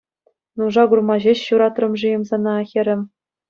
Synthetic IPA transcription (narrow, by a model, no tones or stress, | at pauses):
nuʐɑɡurmɑʑeɕɕuɾɑt̪rɤ̆mʐɯjɤ̆mzɑnɑːxʲĕɾʲɘ̆m